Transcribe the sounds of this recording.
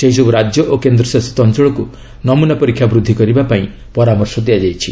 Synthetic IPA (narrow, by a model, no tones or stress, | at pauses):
sejsɔbuɾad͡ʒjɔʔokend̪ɾɔsast̪ɔntɔɭɔku | nɔmunapɔɾikʰjabɾud̪ʱːikɔɾibapaĩ | pɔɾamɔɾsɔd̪iad͡ʒajt͡ʃʰi